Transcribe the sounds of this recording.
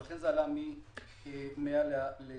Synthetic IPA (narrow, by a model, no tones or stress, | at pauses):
ɬɛnd͡zalami | ɛmɛjalalɛ